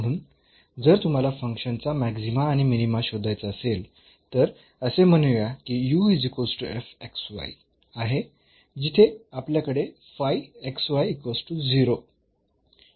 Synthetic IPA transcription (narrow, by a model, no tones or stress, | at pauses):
m̤əɽ̃uːn | d͡zəɾt̪um̤alafəŋkʂənt͡samæksimaːɽ̃iminimaɕod̪ʱajt͡saəsel | t̪əɾ | əsem̤ənuʋjakiːjuid͡zikosʈuefeksʋa̰j | aɦe | d͡ʑit̪ʰeapljakəɽe | fajeksʋajkosʈud͡ziɾo